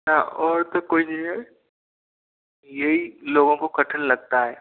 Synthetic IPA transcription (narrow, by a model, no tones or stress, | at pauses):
naɔːɾt̪okoːinɐɦĩɦɛ | jeɦiloːɡõkokɐʈʰənlɐɡ̚t̪aɦɛː